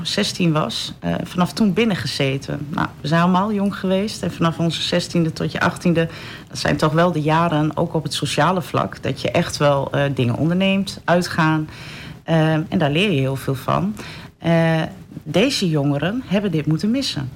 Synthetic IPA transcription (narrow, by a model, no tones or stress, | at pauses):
sɛstinʋɑ̰sfanɑftunbɪnəχəz̥eːtʰə̰nna̰ʋəzɛjnɑləmaːlˠjoŋχəʋeːstɛnfanɑfɔnzəzɛstindətʰɔtjə̰ʔɑ̰xtində | d̥ɔtsɛ̰jntɔxʋɛlˠdəjaːɾəno̰ːwkɔpɦətsoʃaːləflɑ̰kd̥ɔ̰tjəʔɛxtʋɛlˠdɪŋə̰nʔɔ̰ndəɹneːmtʔœɥtχaːn | ɛ̰ndaːɹlɪːjəɦɪːlˠfɪːlˠfɑ̰n | dejzəjʊŋəɾənɦɛbəndɪtmutənmɪsə̰n